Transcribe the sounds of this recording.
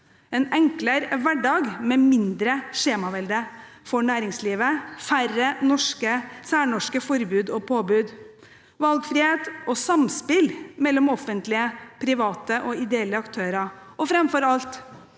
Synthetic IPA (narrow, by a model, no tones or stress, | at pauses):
ɛnɛŋkləɾʋæɖɑːɡmɛːmɪnd̪ɾəʂeːmɑʋɛld̪ə | fɔɳæːɾɪŋsliːʋəfærənɔʂkəsæːɳɔʂkəfɔɾbʉːd̪ɔpʰoːbʉːd̪ | ʋɑlɡfɾɪːheːt̪ɔsɑmspɪlmɛlːɔmɔfːənt̪lɪəpʰɾɪʋɑːt̪əʔɔɪd̪ɛɛlːəɑkt̪ʰøːɾɑɔfɾɛmfɔɾɑlt̪